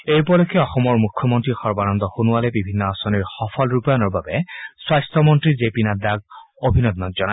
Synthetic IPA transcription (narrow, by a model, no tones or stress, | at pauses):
ejpɔlɔkʰːɛɔxɔmɔɹmukʰːɔmontɹixɔɹbanɔnt̪ɔxunuwalɛbibʱinːɔasɔniɹxɔfʰɔlɹupajɔnɔɹbabɛswajstɔmɔntɹizepinad̪aɡ̚ | obʱinɔd̪nɔtz̥ɔna